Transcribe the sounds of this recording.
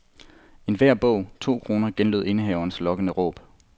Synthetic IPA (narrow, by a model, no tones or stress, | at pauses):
e̝nʋæɐ̰b̥ɔ̰̽ʊ̰t͡sʰo̝̰ːkʰʁo̝ːnɐɡ̥enløðˠe̝nəɦɛʊɐnslɒ̽ɡ̥ənəʁɔ̰̽ːb̥